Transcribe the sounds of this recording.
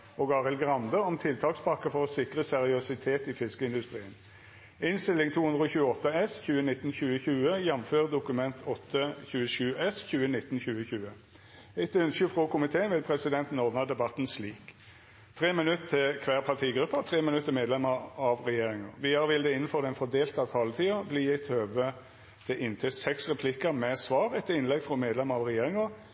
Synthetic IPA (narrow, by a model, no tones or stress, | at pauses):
ʔɔɡɑʁɪlɡʁɑnd̪əɔmt̪ʰɪlt̪ʰɑːkspɑkːəfɔʁsɪkʁəsɛʁɪʉsɪt̪ʰeːt̪ɪfɪskəɪnd̪ʉst̪ʁiːən | ɪnst̪ɪlːɪŋt̪ʰuːhʉnd̪ʁəɔːçʉːəɔt̪ːəɛsçʉːənɪt̪ːn̩çʉːəçʉːəjɛmføːʁəd̪ʊkʉmɛnt̪ʰɔt̪ːəçʉːəʃʉːʔɛsçʉːənɪt̪ːn̩çʉːəçʉːə | ɪt̪ːʏnsəfʁokʊmɪt̪ʰeːənʋɪlpʰɾɛsɪd̪ɛnt̪n̩ɔːd̪nɑd̪ɛbɑt̪n̩sliːk | t̪ʰɾeːmɪnʉt̪ət̪ʰːɪlkʰʋæːʁpʰɑt̪ʰiːɡɾʉpːət̪ʰɾeːmɪnʉt̪ːəmeːd̪lɛməɾɑʋʁɛjeːɾɪŋəʋɪɑʋɪld̪ɛɪnːəfɔʁd̪ɛɪnfɔd̪eːlt̪əɑt̪ʰɑːlət̪ʰiːɑbliːɪt̪ʰøːʋə | d̪̥ɛʔɪnt̪ʰɛsɛksʁɛpʰlɪkəɾmɛsʋɑːʁɛt̪ːəɪnlɛɡfɾɔmeːd̪lɛməɾɑʋʁɛjeːɾɪŋə